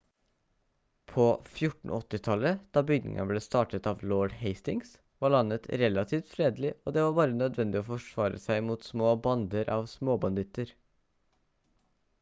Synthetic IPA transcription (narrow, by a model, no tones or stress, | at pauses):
pʰoːfjʊʈɳ̩ʔɔt̪ːɪt̪ʰɑləd̪̥ɑːbʏɡnɪ̰ŋə̰nbleːst̪ɑːʈət̪ɑːʋloːɖheɪst̪ɪŋs | ʋɑːɭɑnːət̪ɾɛlɑt̪ʰiːft̪fɾeːd̪lɪo̰ːd̪ɛːʋɑːɾbɑːɾənœd̪ʋɛnd̪ɪoːfɔʂʋɑːɾə̰sæɪmuːt̪smoːbɑnd̪əɾʔɑːʋsmoːbɑnd̪ɪt̪əɾ